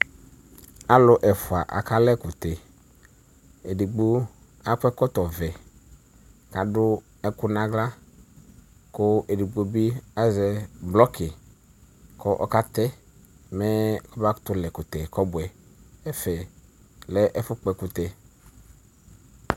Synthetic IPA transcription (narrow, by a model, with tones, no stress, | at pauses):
a˦lʊ˦ʔɛ˨fʊ˨a˨ʔa̰˨ka˦lɛ˦kʊ˨t̪ɛ˨ | e˨di˨ɡ͡bo˦ | a˦k͡pɛ˦kɔ˦t̪ɔ˨vɛ˨ | ka˨dʊ˦ | ɛ˦kʊ˦nã˦ɡla˦ | kʊ˦e˨di˨ɡ͡bo˨bi˦a˦zɛ˨blɔ˦kɪ˨ | kɔ˦ʔɔ˦ka˦t̪ɛ˦ | mɛ˦kɔ˦ba˦t̪ʊ˦lɛ˨kʊ˨t̪ɛ˨kɔ˦bʊ˨ɛ˨ɛ˦fɛ˨ | lɛ˦ʔɛ˦fʊ˦k͡pɛ˨kʊ˨t̪ɛ˨